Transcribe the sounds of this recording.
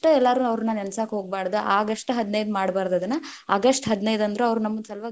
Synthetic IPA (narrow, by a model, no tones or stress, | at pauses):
ʈɐɛlːaːɾuɐʋɾunːaːnɛnsaːkɦo̞ːɡ̚baːɽd̪uʔaːɡɐʂʈɐɦɐd̪nɐjd̪maːɽbaːɾd̪ɐd̪ɐnːɐɐɡɐsʈɦɐd̪nɐjd̪ɐnd̪ɐɾuɐʋɾunɐmːɐnsɐlʋaː